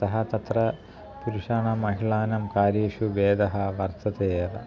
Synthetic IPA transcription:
ɐɦɐt̪ɐt̪ɾɐ | puɾuʂaːnɐmɐɦiɭaːnɐmkaːɾiːʃuʋeːd̪ɐɦɐʋɐɾt̪ɐt̪eːʋɐ̰

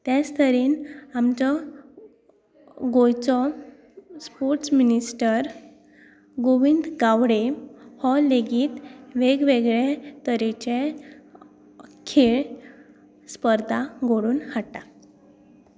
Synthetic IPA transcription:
t̪jast̪ʰəɾiːnamt͡ɕɔ | ɡojt͡sɔ | spoɾʈsminisʈəɾ | ɡoʋind̪ɡawɽehɔlːeɡiːt̪ʋeɡʋeɡɭet̪əɾit͡ɕẽ | kʰeɭ | spəɾd̪ʱaɡoɽuːnhaʈːa

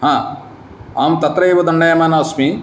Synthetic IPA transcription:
hãː | aːmt̪ɐt̪ɾɐeːʋɐd̪ɐɳɖɐjɐmaːnaːsmi

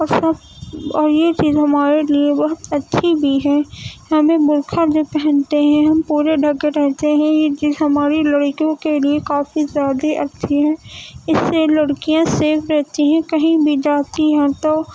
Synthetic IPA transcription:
ɔːɾsɐb | ɔːɾjet͡ʃiːzɦɐmaːɾeliebɐɦʊt̪ɐtːʃʰibʱiɦɛːɦɐmẽbʊɾkʰaɾd͡ʒoːpɛɦɛ̃nt̪eɦɛ̃ɦɐmpuːɾeɖʱɐɡeɾɛɦt̪eɦɛ̃jet͡ʃiːzɦɐmaːɾilɐɽkjõkeliekaːfizjaːd̪eʔɐt͡ʃːʃʰiɦɛ̃ːɪsːelɐɽkijãseːfʰɾɛɦt̪iɦɛ̃kɐɦĩbʱid͡ʒaːt̪iɦɛ̃t̪oː

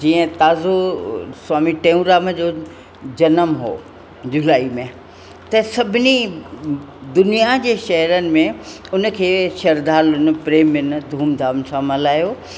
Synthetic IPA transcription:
d͡ʑiːə̃t̪aːzosʊwaːmiʈẽːũɾaːməd͡ʑoː | d͡ʑɐnəmɦo̰ː | d͡ʑʊlaːimẽ | t̪ɐsɐbʱɪni | d̪ʊnijad͡ʑeːʃɐɦəɾənɪ̆mẽʊnə̆kʰeːʃɐɾd̪aːlʊn̆pɾeːmɪn̆d̪ʱuːmd̪ʱaːmsãmɐlaːjoː

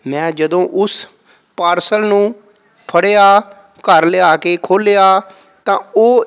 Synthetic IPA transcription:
mɛ̃ːd͡ʒəd̪õːʔʊs | paːɾsəlnũː | pʰəɽeːaː | kəɾlɪaːkeːkʰoːleːaː | t̪ãːoː

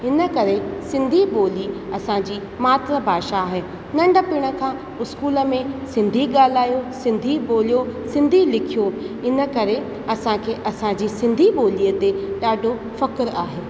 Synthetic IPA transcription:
ɦɪnə̆kɐɾesɪ̃nd̪ʱiɓoːliɐsãd͡ʑiː | maːt̪ɾəbʱaːʃaːɦe | nɐ̃ɳɖʱə̆piːɽ̃ə̆kʰã | ʊskuːlə̆mẽsɪ̃nd̪ʱiɠaːl̤aːjosɪ̃nd̪ʱiɓoːlijosɪ̃nd̪ʱilɪkʰijo | ɪnə̆kɐɾe | ɐsãkʰeːʔɐsãd͡ʑiːsɪ̃nd̪ʱiɓoːliːət̪eɗaːɖʱo | fɐkɪɾaːɦeː

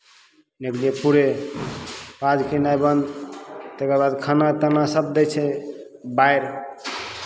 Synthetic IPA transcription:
nekliepuɾe | pad͡ʒkenajbənd̪t̪ekəɾbad̪kʰanat̪ənasəb̚d̪ɛt͡ʃʰɛbajɾ

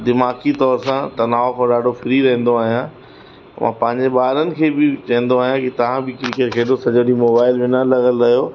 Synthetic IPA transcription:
d̪ɪmaːkit̪ɔːɾsãt̪ɐnaːokɔːɾɗaːɖʱofɪɾiɾɐ̃ɦn̆d̪oaːɦijã | mʔã̰ːpɐ̃ɦɪ̃ɲd͡ʑeɓaːɾənɪ̆kʰeːbɪt͡ɕɐ̃ɦə̃n̆d̪oaːɦijãkit̪ɐʋ̤ãbɪklɪkeɾkʰeːdosɐd͡ʑoɗimoːbaːɪlʋɪnəlɐɣəlɾɐɦijoː

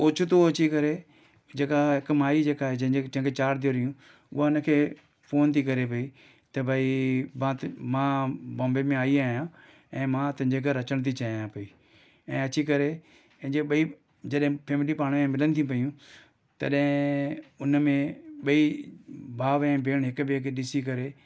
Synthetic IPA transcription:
ʊt͡ɕʰʊt̪oɐt͡ɕikɐɾe | d͡ʑeːkaɦɪkmaːid͡ʑeːkaːɦed͡ʑɐ̃ɦɪ̃d͡ʑet͡ɕɐ̃ɦɪ̃ŋkʰet͡ɕaːɾd̪ijoɾijũ | ʊ̰ɦaʊnəkʰeː | poːnt̪ʰikɐɾep̬ɐi | t̪ɐbʱaːimãmãbɔ̃ːmbemẽaːiaːɦijãː | ɛ̃ːmãt̪ʊ̃ɦɪ̃ɲd͡ʑeɡʱɐɾɐt͡ɕəɽ̃t̪ʰit͡ɕaajãpɐiː | ɛ̃ːɐt͡ɕikɐɾe | ɐ̃ɦɲd͡ʑeɓɐi | d͡ʑɐɗɦɪ̃pʰeːmɪlipaːɽ̃mẽmɪlənɪ̆t̪ʰĩp̬ɐijũ | t̪ɐ̰ɗɦɪ̃ʊnmẽɓɐi | bʱaːʋɛ̃ːbʱeːɽ̃ɦɪkʊbekʰeɗɪsik̬ɐɾe

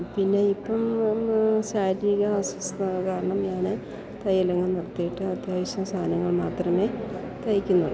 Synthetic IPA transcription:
pinːe̞ipːɐm | ɕaːɾiɣɐaːswɐst̪ɐkaːɾɐɳɐmɲaːne | t̪ɐjɐlɐŋːɐnirɐt̪ːijiʈːɨɐd̪jaːʋɐɕjɐmst̪ʰaːnɐŋːɐɭmaːt̪rɐme̞ | t̪ɐjikʲːunːɐɨ

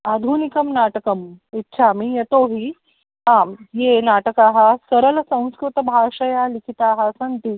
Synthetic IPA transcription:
ad̪ʱunikəmnaːʈəkɐmitːɕʰamijet̪oɦi | ɦãjenaːʈəkaɦasəɾəlsɐ̃w̃skɾut̪ɐbʱaːʂɐjalikʰit̪aːɦasɐnt̪i

